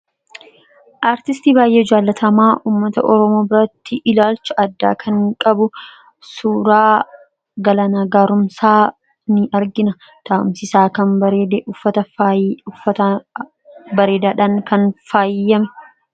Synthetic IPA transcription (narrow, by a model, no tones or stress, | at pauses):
ʔaːɾt̪ɪst̪iːbaːjʔeːɪd͡ʒaːlːɐt̪ʰɐmaːʔuːmːɐt̪ɐʔɔɾɔmo̞ːbɪɾɐt̪ːɪʔɪlaːlt͡ʃɐʔɐd̪ːa̰ːkʰɐŋkʼɐbʊ | suːɾaː | ɡɐlɐnaːɡaːɾʊmsaː | nɪɐɾɡɪnɐ | t̪aʔʊ̰msɪsaːkɐnbɐɾeːd̪ɛʊfːɐt̪ɐʊfɐt̪ | bɐɾeːd̪aːᶑaːŋkɐnfaːjɪjːɐmɛ